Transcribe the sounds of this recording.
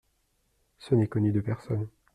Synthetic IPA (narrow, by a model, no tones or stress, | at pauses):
sənɛkɔnyd̪əpɛʁsɔn